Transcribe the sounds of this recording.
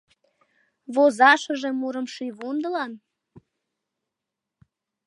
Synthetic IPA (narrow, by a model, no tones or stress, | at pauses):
βozɑʃəʒemuɾəmʃiβund̪əlɑn